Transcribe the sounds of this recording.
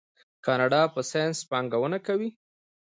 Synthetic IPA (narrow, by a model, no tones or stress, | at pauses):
kɑnɑɖɑpəsenspɑŋɡawənakawi